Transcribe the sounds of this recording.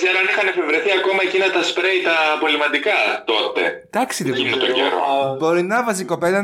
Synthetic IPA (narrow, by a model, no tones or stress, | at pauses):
zɐɾoɐnixɐne̞fe̞vɾe̞θiɐko̞mɐe̞cinɐt̪ɐspɾejt̪ɐːpo̞limɐt̪ikɐt̪o̞t̪e̞̰d̪̥ɐksiðoint̪oḛɾo̰bo̞ɾinɐvɐsiko̞pelɐ